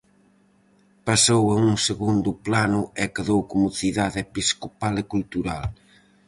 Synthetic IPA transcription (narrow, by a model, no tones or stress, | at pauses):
pasoweŋuŋseɣund̪ʊplanʊɛkeðowkomʊθiðaðepiskopalekult̪uɾa̰l